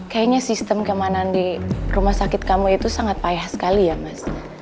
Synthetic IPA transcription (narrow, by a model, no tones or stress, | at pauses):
kajaɲasist̪əmkəmanandirumahsakɪt̪̚kamuit̪usaŋat̪̚pajahsə̥kalijamas